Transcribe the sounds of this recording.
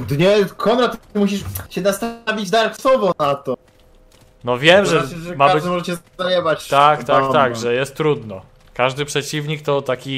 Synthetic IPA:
d̪ɲɛkʰɔmɾat̪muɕ̬iʂt͡ɕɛnast̪avʲid͡ʑd̪aɾsɔvɔnat̪ɔ | nɔvʲjɛmʐɛɛɛmaabd̪ɪmɔʐɛt͡ɕɛajɛbat͡ɕt̪aktt̪akt̪aɡʐɛjɛst̪ːɾud̪nɔ | kaʐd̪ɘpʂɛt͡ɕivɲik̚t̪ɔt̪akʲi

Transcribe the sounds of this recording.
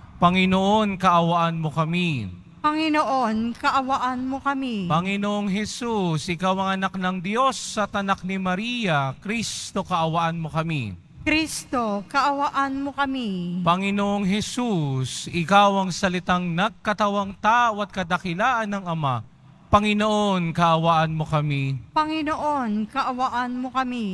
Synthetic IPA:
pɐŋɪnoʔo̞nkɐʔɐwaʔanmokɐmi | pɐŋɪnoʔonkɐʔɐwaʔanmokɐmipɐŋɪnoʔoŋɦɛsusʔɪkawɐŋɐnak̚nɐŋd̪jo̞sːɐt̪ɐnak̚nimɐɾijɐkɾist̪o̞kɐʔɐwɐʔanmokɐmḭ | kɾist̪okɐʔɐwaʔanmokɐmipɐŋɪnoʔoŋɦɛsusɪkawɐŋsɐlɪt̪aŋnɐɡ̚kɐt̪ɐwaŋt̪aːʔoɐt̪̚kɐd̪ɐkɪlaːʔɐnːɐŋɐma̰ | pɐŋɪnoʔonkɐʔɐwaʔɐnmo̞kɐmipɐŋɪnoʔonkɐʔɐwaʔanmokɐmi

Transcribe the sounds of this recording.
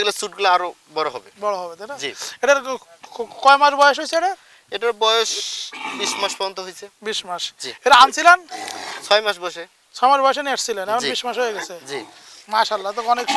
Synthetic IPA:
ɡilasuʈɡulaaɾo | bɔɽɔɦɔbebɔɽɔɦɔbet̪aʈad͡ʒieʈaɾ | kɔjmaʃbɔjɔʃ̬ɦojsʰeeʈa | eʈaɾbɔjeʃbismaʃpɔɾɔnt̪ɔɦojsʰebiʃmaʃd͡ʒieʈaansʰilant͡sʰɔjmaʃbɔjʃe | t͡sʰɔjmaʃbɔjeʃ̬eniaʈʰsʰilanɛkɔnbiʃmaʃɦojeɡɛt͡sʰed͡ʒi | maʃalːat̪ɔɔnek

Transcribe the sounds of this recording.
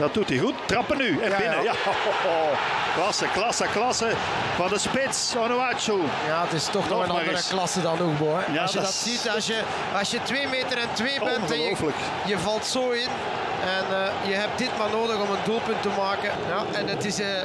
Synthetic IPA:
dɑt̚d̥utiɣuttrɑpənːyɛnaɪnə | klɑsəklɑsəklɑsə | vɑndəspɪtsɔnoaso | jaːtɪstɔxnɔənɑɾəklɑsədɑnokbo | ɑsjədɑtsitɑsjə | ɑsjətʋeːmeːtəɾɛntʋeːbɛnd | flək | jəvɑlˠtsoːɪn | ɛnə | jəɦɛp̚dɪtmaːrnoːdəɣɔmənduːlˠpʏntəmaːkə | jaʔɛnətɪsə

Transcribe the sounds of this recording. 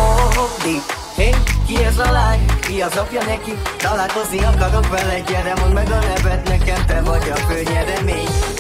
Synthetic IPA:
ooɦokd̪i | eŋkiɛzɒlaːnijɒzopjɒnɛkit̪ɒlaːt̪ozniɒkːɒt̪okbɛlɛɟɛd̪ɛmɦodmɛɡɒlɛvɛt̪nɛkɛmt̪ɛvɒɟɒkøɲːɛɾɛmeːɲ

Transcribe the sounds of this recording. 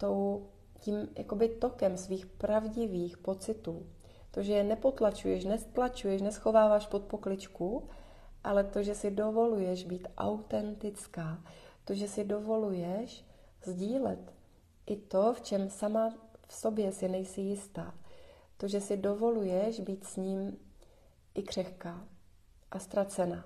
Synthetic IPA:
t̪ow | ciːmjʔa̰ko̞bɪt̪o̞kɛmsviːxpɾavɟɪviːxpo̞t͡sɪt̪uː | t̪o̞ʒɛjɛnɛpo̞t̪lat͡ʃujɛʃnɛst̪lat͡ʃujɛʃnɛsxo̞vaːvaʃpot̪̚po̞klɪt͡ʃku | ʔalɛt̪o̞ʒɛsɪdo̞vo̞lujɛʒbiːt̪ʔa̰wt̪ɛnt̪ɪt͡skaːt̪o̞ʒɛsɪdo̞vo̞lujɛʃ | zɟiːlɛt̪ | ʔɪt̪o̞ft͡ʃɛmsamafsobjɛsɪnɛjsɪjɪst̪aː | t̪o̞ʒɛsɪdo̞vo̞lujɛʃbiːt̪sɲiːm | ʔɪkr̝̥ɛxkaː | ʔast̪ɾat͡sɛna

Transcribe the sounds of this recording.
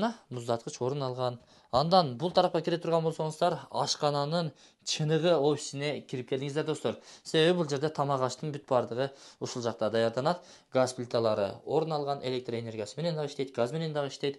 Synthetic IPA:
nɑmʊzd̪ɑt̪qət͡ʃwo̞ɾunɑlˠʁɑn | ɑnd̪ɑnbʊlˠt̪ʰɑɾɑp̚qɑkʲʰɪɾet̪ʰʊɾʁɑnbo̞lˠso̞ɴəzd̪ɑɾɑʃqɑnɑnəɴ | t͡ʃʰɯnəʁəo̞fʲi̥sɪne̞kʲʰɪɾɪp̚kʰʲe̞ld̪ɪŋɪzd̪e̞ɾd̪o̞st̪oɾse̞βe̞βɪbulˠd͡ʒe̞ɾd̪e̞t̪ʰɑmɑʁɑʃt̪əɴbyt̪̚bɑɾd̪əʁəoʃulˠʒɑqt̪ɑd̪ɑjɑɾd̪ɑnɑd̪ | ɡazplʲit̪ʰalˠɑɾə̰o̞ɾnɑlˠʁɑne̞le̞k̚t̪roe̞ne̞ɾɡʲijɑsəme̞ne̞nd̪ɑʁiʃt̪e̞jd̪ɪɡazme̞ne̞nd̪ɑʁiʃt̪e̞jd̪ɪ

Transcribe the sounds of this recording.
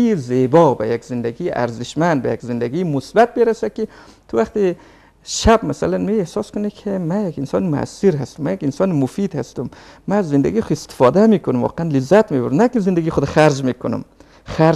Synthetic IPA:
izebɒbæjakz̥ɪnd̪æɡijiʔæ̰ɾzɪʃmænd̪̚bæjakzɪnd̪æɡimʊsbæt̪̚beɾæsad̪̚kit̪ʰuvæχt̪i | ʃæbmæsalanmiehsɒskʊnikʰimæjakinsɔːnimʊa̰siɾhæst̪umːæjækinsɒːnimʊfid̪hast̪ʊm | mæzːɪnd̪æɡixest̪ɪ̥fɒd̪æmikʰʊnumvɔ̰ːqeænlɪzːæt̪mibuɾdnækizɪnd̪æɡiχʊd̪æχæɾd͡ʒmikʰʊnʊ̰m | æɾ

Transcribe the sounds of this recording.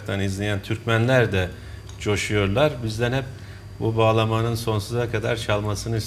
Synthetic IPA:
t̪ʰanizlʲijænt̪ʰyɾcmænlʲæɾd̪ɛ | t͡ʃʰo̞ʃujo̞ɾlˠaɾbizd̪ænhɛp̚ | bubaːlˠamanɯnso̞nsuzakʰad̪aɾt͡ʃʰalˠmasɯnɯs

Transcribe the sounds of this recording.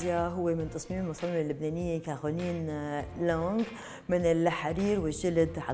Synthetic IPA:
jaɦʊwːemɪnt̪ɑsˤmiːmmʊsˤɑːmmɪlːʊbnaːnɪjːekaxwaliːnloŋɡ | mɪnɪlħaɾiːɾwɪʒɪld̪ħa

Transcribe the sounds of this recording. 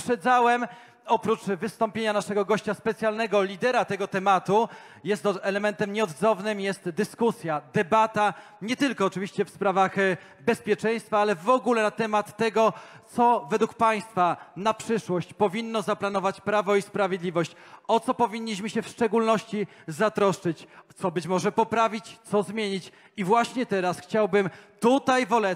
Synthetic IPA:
pʂɛd̪zawɛm | ɔpɾut͡ʂvɘst̪ɔmpʲjeɲanaʂɛɡɔɡɔɕt͡ɕaspɛt̪sʲjalnɛɡɔlʲid̪ɛɾat̪ɛɡɔt̪ɛmat̪u | jɛst̪ɛlɛmɛnt̪ɛmɲɛɔd̪zɔvnɘmjɛst̪d̪ɘskusʲjad̪ɛbat̪a | ɲɛt̪ɘlkɔːt͡ʂɘvʲiɕt͡ɕɛfspɾavax | bɛspʲjɛt͡ʂɛj̃st̪faalɛvɔɡulɛnat̪ɛmat̪ːɛɡɔt̪sɔvɛd̪wukpaj̃st̪fanapʂɘʂwɔɕt͡ɕpɔvʲinːɔzaplanɔvat͡ɕpɾavɔispɾavʲjed̪lʲivɔɕt͡ɕɔt̪sɔpɔvʲiɲʲːiɕmɘɕɛfʂt͡ʂɛɡulnɔɕt͡ɕizat̪ɾɔʂt͡ʂɘt͡ɕt̪sɔbɘt͡ɕmɔʐɛpɔpɾavʲit͡ɕt̪sɔzmʲjeɲit͡ɕ | ivwaɕɲɛt̪ɛɾasxt͡ɕawbɘmt̪ut̪ajvɔlɛ

